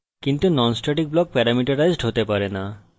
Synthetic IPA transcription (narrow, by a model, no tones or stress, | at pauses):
kint̪unɔnsʈaʈik̚blɔk̚pɛɾamiʈaɾajzɖɦot̪epaɾena